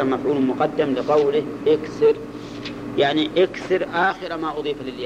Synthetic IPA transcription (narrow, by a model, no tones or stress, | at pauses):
amafʕuːnmʊqɑd̪ːamlɪqɑwlɪhʔɪkθɪɾ | jaʕniʔakθɪɾʔaːxɪɾamaʔʊðˤiːfalɪlja